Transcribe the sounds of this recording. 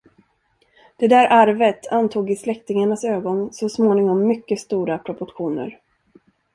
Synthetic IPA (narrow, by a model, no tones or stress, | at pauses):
d̪̥ɛd̪æːɾʔaɾvət̪ʰant̪ʰuːɡɪslɛkt̪ɪŋaɳasøːɡɔnsɔsmoːnɪŋɔmːʏkːəst̪uːɾapʰɾɔpɔʈɧuːnə̰ɾ